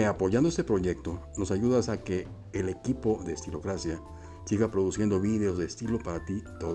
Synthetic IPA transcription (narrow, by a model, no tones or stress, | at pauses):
apo̞ʝand̪oest̪epɾo̞ʝe̞k̚t̪o̞no̞saʝuðasake̞ː | le̞kipo̞ðe̞ːst̪ilo̞kɾasja | siɣapɾo̞ðusje̞nd̪o̞βiðe̞o̞zðest̪ilo̞paɾat̪it̪o̞ð